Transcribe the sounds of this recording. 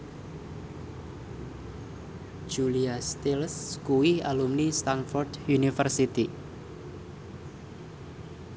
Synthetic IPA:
ʒ̥uliast̪ilskuwialumnist̪anfɔrdjunifərsit̪i

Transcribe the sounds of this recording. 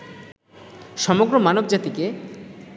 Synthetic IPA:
ʃɔmoɡɾomanobd͡ʑat̪ike

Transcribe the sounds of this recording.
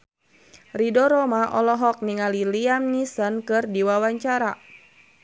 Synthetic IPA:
ridɔɾɔmaʔɔlɔɦɔk̚niŋaliliamnisɔnkɨrdiwawaɲt͡ʃaɾa

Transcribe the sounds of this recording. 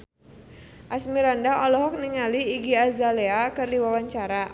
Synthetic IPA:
ʔasmiɾandaʔɔlɔɦɔk̚niŋaliːɡiazaleakɨrdiwawaɲt͡ʃaɾa

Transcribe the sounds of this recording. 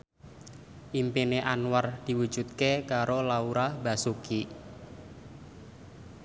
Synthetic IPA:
ʔimpineʔanward̪̥i̤wud̥d͡ʒ̥ṳt̪̚kekaɾolauɾahb̥a̤suki

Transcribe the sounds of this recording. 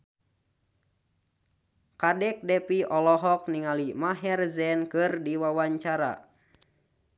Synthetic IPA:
kadɛk̚dɛpiɔlɔɦɔk̚niŋalimaɦɛrzɛnkɨrdiwawaɲt͡ʃaɾa̰

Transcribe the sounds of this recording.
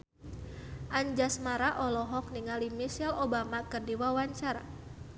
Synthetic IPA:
ʔaɲd͡ʒasmaɾaʔɔlɔɦɔk̚niŋalimisalobamakərdiwawaɲt͡ʃaɾa̰

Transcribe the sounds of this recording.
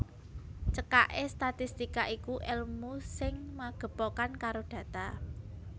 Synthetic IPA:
t͡ʃəkaʔest̪at̪ist̪ikaʔikuʔɛlmusɪŋmaɡ̥ə̤pokankaɾoɖ̥ä̤t̪a

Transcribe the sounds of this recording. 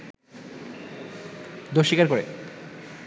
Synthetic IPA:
d̪oʃːikaɾkoɾḛ

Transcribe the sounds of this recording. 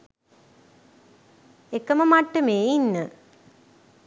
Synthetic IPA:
ekəməmaʈːəmeːjinːə

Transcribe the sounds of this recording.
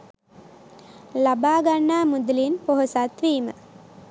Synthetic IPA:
labaːɡanːaːmud̪ulinpoɦosat̪ʋiːmə

